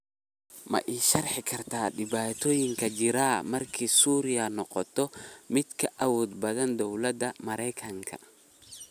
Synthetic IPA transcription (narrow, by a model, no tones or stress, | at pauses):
mɐ̰ʔiʃɐrħɪkʰɐrt̪aːɗɪbaːt̪ojɪŋkɐd͡ʒɪɾaːmɐrkʰisuːɾɪɐnɔqɔt̪ːɔmɪt̪kʰɐʔɐwoːd̪bɐðɐnd̪ɔwlɐd̪ɐmɐɾɛjkʰɐŋkʰɐ̰